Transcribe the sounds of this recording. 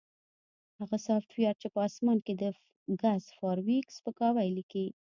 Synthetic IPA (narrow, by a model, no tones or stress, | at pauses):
haɣasɑft̪wjɑɾ̚t͡ʃepəɑsmɑnked̪ə | ɡazfɑɾwikspəkɑwajliki